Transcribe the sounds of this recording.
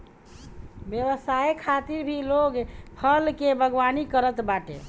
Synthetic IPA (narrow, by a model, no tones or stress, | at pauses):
bjeʋəsajekʰat̪iɾbʱiloɡpʰəlkebʱəɡʋanikəɾət̪baʈḛ